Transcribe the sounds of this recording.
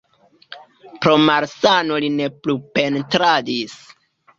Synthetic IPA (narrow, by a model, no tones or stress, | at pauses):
pɾo̞maɾsano̞line̞plupe̞ntɾadis